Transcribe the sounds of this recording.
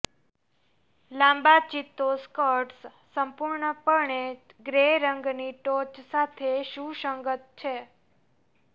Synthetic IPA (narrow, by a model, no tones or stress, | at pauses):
lãmbat͡ʃit̪ːoskəʈs | səmpuɾɳəpəɳe | ɡɾeɾəŋɡniʈot͡ʃsat̪ʰeʃũʃəŋɡət̪̚t͡ʃʰe